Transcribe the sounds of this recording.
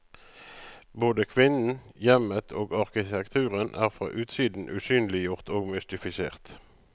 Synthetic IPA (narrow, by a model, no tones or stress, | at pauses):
boːd̪əkʰʋɪnn̩jɛmət̪ʰoːɡɑʁkɪt̪ʰɛkt̪ʰʉːʁənʔæ̰ːʁfʁɑ̰ːʔʉːt̪siːd̪n̩ʔʉ̰ːsyːnlɪjʊʁt̪oːɡmʏst̪ɪfɪsḛːʁt̪